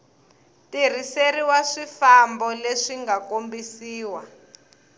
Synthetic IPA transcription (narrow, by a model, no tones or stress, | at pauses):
tir̤iseɾiwaʂifambɔleʂiŋɡakombisiːwa